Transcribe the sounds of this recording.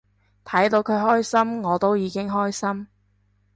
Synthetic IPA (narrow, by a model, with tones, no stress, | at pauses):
t̪ʰɐ˨˥jt̪o˧wkʰɵ˨˧ɥɦɔː˥jsɐ˥mŋɔː˨˧t̪o˥wjiː˨˧kɪ˥ŋɦɔː˥jsɐ˥m